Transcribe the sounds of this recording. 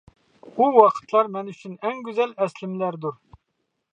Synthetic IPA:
uwɑqʰə̥t̪ʰlˠɑɾmɛnyt͡ʃʰynɛŋɡʲyzɛlɛslɪmlæɾd̪uɾ

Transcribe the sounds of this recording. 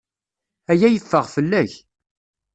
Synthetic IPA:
æjæjəfːəʁfəlːæç

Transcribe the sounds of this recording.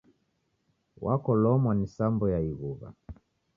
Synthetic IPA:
wʔakɔlɔmwanisambɔjaiɣuβa̰

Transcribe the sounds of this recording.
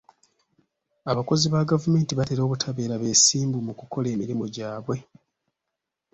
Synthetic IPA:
aβako̞ziβaɡavume̞ːntiβateɾo̞ːβutʰaβe̞ːɾaβe̞ːsiːmbumukuko̞le̞ːmiɾimoɟaːβwe̞

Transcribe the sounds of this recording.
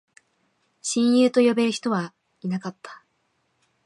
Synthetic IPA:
ɕĩɰ̃jɯːt̪o̞jo̞be̞ɾɯ̟çi̥t̪o̞βa | inakat̪ʰːḁ

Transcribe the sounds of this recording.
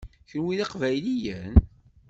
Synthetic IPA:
çəlwiðɑqvæjlijən

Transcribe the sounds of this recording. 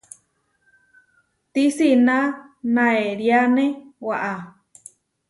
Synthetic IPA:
t̪isinãnãeɾjanẽwaʔa

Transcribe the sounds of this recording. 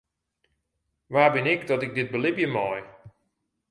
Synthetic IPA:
ʋaːbɪnɪkdɔtɪk̚dɪt̚bəlɪpjəmɔj

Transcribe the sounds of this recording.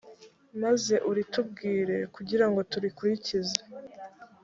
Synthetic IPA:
maze̞ʔuɾitub̚ɡiːɾe̞kuɟiɾaŋɡo̞tuɾikuɾicize̥

